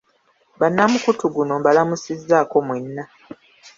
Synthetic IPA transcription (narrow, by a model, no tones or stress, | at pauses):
banːamukutuɡuno̞balamusizːaːko̞mwe̞nːa